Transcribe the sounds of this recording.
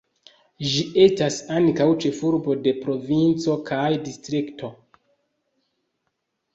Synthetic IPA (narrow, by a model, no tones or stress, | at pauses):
ʒie̞stasaŋkawt͡ʃe̞fuɾbo̞de̞pɾo̞vint͡so̞kʰajdistɾiktʰo̞